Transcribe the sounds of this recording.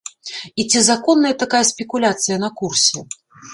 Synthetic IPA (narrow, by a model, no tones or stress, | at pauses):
it͡sʲizakɔnːɐjɐt̪akajɐsʲpʲɛkulʲat̪sɨjɐnɐkursʲɛ